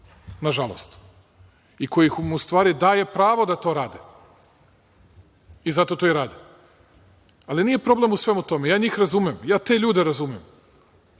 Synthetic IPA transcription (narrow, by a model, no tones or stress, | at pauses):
naʒalˠo̰st̪ | iko̞jixmust̪ʋaːɾid̪aːje̞pɾaːʋo̞d̪at̪o̞ːɾaːd̪e | izat̪o̞t̪o̞iɾaːd̪e | aliniːje̞pɾo̞ble̞musʋe̞mut̪o̞mejaːɲiːxɾazumemjaːt̪e̞ʎuːd̪eɾazumem